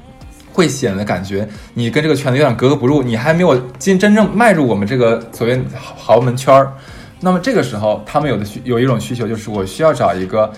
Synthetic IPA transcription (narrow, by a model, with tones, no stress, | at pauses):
xwe˥˩ɪɕjɛ˨˩nd̪ə˦ka˨˩nt͡ɕɥɛ˧˥ni˨˩kə˥nʈ͡ʂɤ˥˩ɡə˩t͡ɕʰɥ̪jɑ˨˩ŋkɤ˧˥kɤ˧˥pu˧˥ɻu˥˩ni˨˩xa˧˥ɪme˧˥ɪjɔ˨˩t͡ɕi˥nʈ͡ʂə˥nʈ͡ʂɤ˥˧ŋma˥˧ɪɻu˥˩wɔ˨˩mə˦nʈ͡ʂɤ˥˩ɡə˩swɔ˨˩wjɛ˥˩n˧xɑ˧˥ʊmə˧˥nt͡ɕʰɑ˥ | na˥˩mə˩ʈ͡ʂɤ˥˩ɡə˩ʂɻ̩˧˥xo˥˧ʊt̪ʰa˥mə˨njo˨˩ʊd̪ə˦ɕjo˨˩ʊi˥ʈ͡ʂʊ˨˩ŋɕy˥t͡ɕʰjo˧˥t͡ɕjo˥˧ʊʂɻ̩˥˩wɔ˨˩ɕy˥jɑ˥˩ʊʈ͡ʂɑ˨˩ʊi˧˥ɡə˧